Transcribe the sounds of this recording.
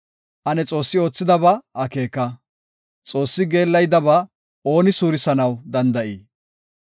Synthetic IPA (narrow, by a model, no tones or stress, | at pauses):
ʔɐnɛt͡sʼo̞ːsːɪo̞ːt͡sːɪd̪ɐbɐʔɐke̞ːkːɐ | t͡sʼo̞ːsːɪɡe̞ːlːɐjd̪ɐbɐ | o̞ːnɪsuːɾɪsɐnɐwd̪ɐnd̪ɐʔiː